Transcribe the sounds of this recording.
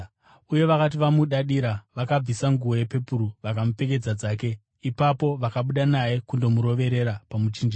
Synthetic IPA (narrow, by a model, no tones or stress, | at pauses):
uje̞ʋakat̬iʋamuɗaɗiɾaʋakab͡visaŋɡuʋo̞je̞pe̞puɾuʋakamupe̞k̬e̞d͡zad͡zaːke̞ | ipapo̞ʋakaɓuɗanajekundo̞muɾo̞ʋe̞ɾe̞ɾapamut͡ʃiːnd͡ʒi